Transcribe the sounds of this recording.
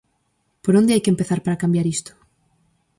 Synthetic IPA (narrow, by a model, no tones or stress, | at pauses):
poɾond̪eajkempeθaɾpaɾakambjaɾist̪o̥